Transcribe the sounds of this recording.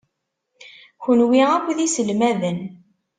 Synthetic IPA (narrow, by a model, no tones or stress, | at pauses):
çənwiʁækʷːðisəlmæðən